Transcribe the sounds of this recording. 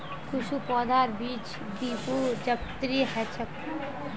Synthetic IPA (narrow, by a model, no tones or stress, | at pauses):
kʰuʃupɔd̪ʱaɾbiːd͡ʒ | d̪ipud͡ʒəp̚t̪ɾiɦɛt͡ʃʰək